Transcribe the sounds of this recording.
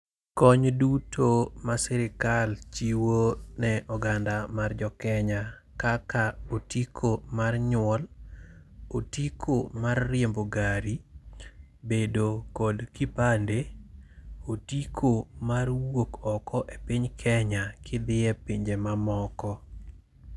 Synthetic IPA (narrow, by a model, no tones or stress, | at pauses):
kɔɲdutʰomasɛɾɪkalt͡ʃiwonɛʔɔɡandamard͡ʒɔkɛɲa | kakaotikʰomarɲʊwɔl | otikʰomarːɪemboɡaɾi | bedokɔdkipande | otikʰomarwokɔkɔʔepɪɲkʰɛɲakɪd̪ɪɛpiɲd͡ʒemamɔkɔ